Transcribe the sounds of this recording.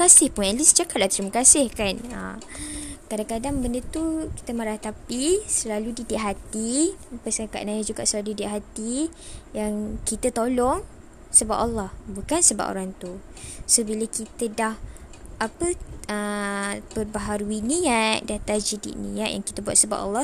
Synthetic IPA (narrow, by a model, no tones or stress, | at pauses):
asɪhpʊnɛlisd͡ʒakat̪̚lat̪əɾimakasɪhkanə̰mkadaŋkadaŋbəndət̪uki̥t̪əmaɾaht̪apisəlaludidiʔ̚ɦat̪ipasaka̰ʔnajəd͡ʒuɡa̰ʔsəlauidɪʔɦat̪ijaŋkit̪ət̪olɔŋ | səba̰pɑlːɑhbukansəba̰ʔo̰ɾaŋt̪u | sobiləkit̪ədah | apəəbəbaɦaɾuinijaʔdat̪ad͡ʒidḭʔnḭaʔja̰ŋki̥t̪əbua̰t̪səba̰ʔɑ̰lːɑh